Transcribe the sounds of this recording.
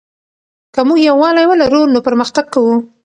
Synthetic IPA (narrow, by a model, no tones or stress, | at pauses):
kəmuɡjawɑlajwəlaɾunopəɾməxt̪aɡ̚kawu